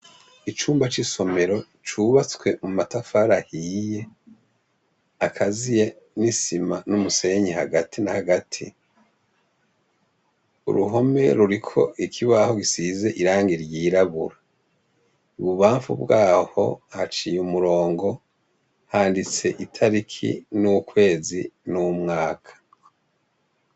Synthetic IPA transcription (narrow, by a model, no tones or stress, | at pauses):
it͡ʃuːmbat͡ʃiso̞me̞ɾo̞ | t͡ʃuβat͡swe̞mumatafaɾahije̞ | akʰazije̞ | nisimanumuse̞ɲihaɡatʰinahaɡatʰi | ṵɾuɦo̞me̞̰ɾuɾikʰo̞ikʰiβaho̞ɡisize̞ʔiɾaːŋɡiɾjiːɾaβṵɾa | uβuβaːɱfṵbɡaːho̞̰hat͡ʃijumuɾo̞ːŋɡo̞ | haːndit͡se̞ʔitʰaɾikʰḭnukwe̞ːzinumŋaːkʰḁ